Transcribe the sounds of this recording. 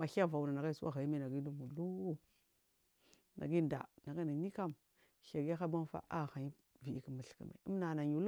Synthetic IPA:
a˨xa˦˨va˨u˨na˨na˨ɡa˦i˦su˦wa̰˦ɣa˨i˦ma˦˨na˨ɡi˦du˦mu˨lu˦ | na̰˨ɡi˦nda̰˨na˨ɡa˦na˨ni˦ka˦m | ʃa˨ɡa˦xa˦ba˦n˦fa̰˦ʔa˦˨xa˨ɲi˦ | vi˨i˦ki˦ma˨ɬkḭ˨ma̰˨i˦mna˨na˨ɲu˨l

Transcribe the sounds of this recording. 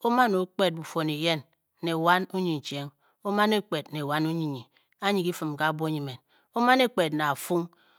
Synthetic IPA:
o˦ma˦no˨˦k͡pe˦t̚bu˨fo˨ni˨je˦nː | e˨wa˦nu˦ɲi˨n̩˨t͡ʃe˦ŋ | o˦ma˦ne˦k͡pe˨tne˨wa˦nu˦ɲi˨ɲi˨ | a˦ɲi˨ki˦fɨ˨mka˦˨bo˦ɲi˨me˨n | o˦ma˦ne˦k͡pe˨tna˨a˨fu˦ŋ

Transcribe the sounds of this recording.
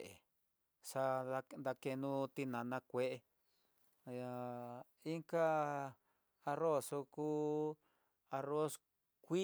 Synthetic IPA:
ʔḛ˨ | ʂa˧nd̪a˧ke˧nũ˧t̪i˧nã˨nã˧kʷe˧ʔe˧ | a˧ | i˦ŋka˦ | a˧ro˦˨so˧ku˦ | a˧ro˦s | kʷi˦

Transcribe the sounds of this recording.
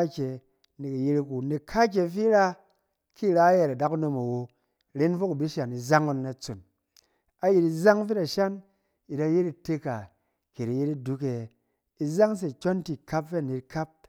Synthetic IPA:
kʲe˨ | ni˨ki˨je˧ɾku˨ni˨kʰa˦k̬ʲe˧fi˦ɾa˦ | kʰi˦˨ɾa˦je˨ɾa˨da˦ku˦no˧ma˨wo˧ | ɾe˦nfo˦ku˨bi˦ʃa˨ni˨za˦ŋu˧nːa˧˨t͡so˨n | a˨ji˨ɾi˧za˦ŋfe˦ta˨ʃa˦n | ji˨da˧je˦ɾi˧te˧ka˨ | ke˨ɾi˨je˦i˦du˨˦ke˨ | i˧za˦ŋs̬e˨kʲo˦nti˨kʰa˦pfe˦a˨ni˧tkʰa˦p̚

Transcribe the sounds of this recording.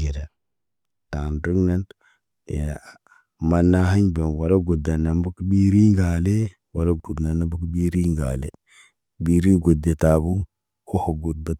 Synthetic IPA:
i˨ɾa˨ | ta˨ndu˦ɡna˦n˨ | ma˨nːa˦ɦa˦ɲbe˨nwa˨la˦ɡu˨da˨na˨mbu˦kbi˦ɾi˦ŋɡa˨le˦ | wa˨la˦u˨dna˨na˦bu˦kbi˦ɾi˦ŋɡa̰˨lḛ˨ | bi˨ɾi˦ɡo˨de˨ta˨bu˦ | ko˦ho˨ɡu˨d̚ba˨˦

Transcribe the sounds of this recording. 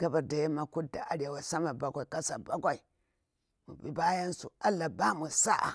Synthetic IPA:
ɡa˦ba˨da˨ja˦ma˨ku˦da̰˨ʔa˦ɾa˨wa˨sa˦ma˨ba˦ɡʷa˨i˨ka˦sa̰˨ba˦ɡʷa˨i˨ | mṵ˨bi˦ba˦ja˦nsṵ˨a˦la˨ba˦mu˨sa˦ʔa̰˨

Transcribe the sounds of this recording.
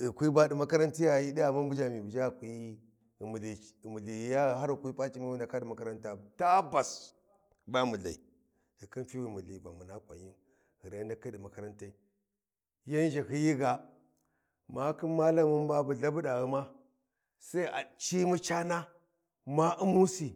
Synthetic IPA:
i˨kʷi˦ba˦di˨ma˦ka˦ɾa˦nti˦ja˨ji˦di˦a˨mu˦mbu˦d͡ʒa˨mi˨bu˨d͡ʒa˦˨kʷi˦˨ | mu˨li˨˦˨mu˨li˨ja˦˨ɦa˦ɾu˨kʷi˦pa˦t͡ʃi˦ma˦i˦na˨ka˦di˨ma˨ka˦ɾa˦nta˨ta˦ba˨s | ba˦mu˨ɮa˨i˨ | i˨ki˦n˦fi˦wi˨mu˨li˨ba˨mu˨na˦kʷa̰˨ɲ˦i˦m | hi˨ɾa˨˦nda˦ki˦di˨ma˨ka˦˨ɾa˦nta˦i˦ | ja˦n˦d͡ʒi˨hi˦ji˦ɡa˨ | ma˦ki˦nma˦la˦mu˦n˦ba˦bu˨ɮa˦bu˦ɗa˨ɣi˦ma˦ | sa˦i˦ʔa̰˨t͡ʃi˦mu˦t͡ʃa˦na˦ | ma˦ʔu˦mu˦si˨

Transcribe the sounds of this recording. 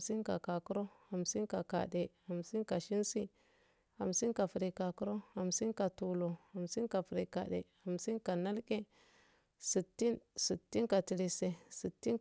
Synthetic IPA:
si˦nka̰˨ka˨ku˦ɾo˦ha˨msi˦nka˨ka̰˨de˨ha˨msi˦nka˨ʃi˦nsi˦ | a˨msi˦nka˨fɾi˨ka˨ku˦ɾo˦ha˨msi˦nka˨tu˨lo˨ha˨msi˦nka˨fɾi˨ka̰˨ɗḛ˨ha˨msi˦nka˨na˦lke˦ | si˨tːi˦nsi˨tːi˦nka˨ti˨ɾi˨se˨si˨tːi˦n

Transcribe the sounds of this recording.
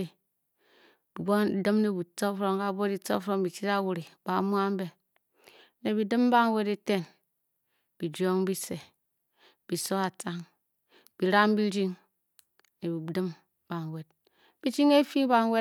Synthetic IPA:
e˨ | bi˨bo˦˨˦dɨ˦mne˨bu˨to˦fɾo˨ŋ˦ka˦bo˦di˨to̰˦fɾo˦˨m˦bi˨t͡ʃi˦ta˦wu˨ɾi˨b̥a˨˦mu˦a˦m̩˦be˨ | ne˨bi˨dɨ˦m˦ba˦ŋ˦we˦de˦te˦n | b̥i˨d͡ʒo˦ŋ˦bi˦se˨ | b̥i˨so˦a˨t͡sa˦ŋ | b̥i˨ɾa˦m˦bi˦ɾi˦ŋ | ne˨bi˨dɨ˦m | b̥a˨ŋ˨we˨t̚ | b̥i˦t͡ʃi˦ŋe˦fi˦ba˨ŋ˦we˦

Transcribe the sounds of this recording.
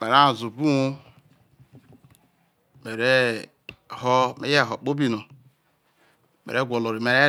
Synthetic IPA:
me˨ɾa˦˨zu˨bu˦wo˦ | me˨ɾe˦˨ | ho˦mḛ˦je˦˨ɦo˨k͡po˦bi˦˨no˨ | mḛ˨ɾe˦ɡʷo˨lo˨ɾe˨me˨ɾe˦

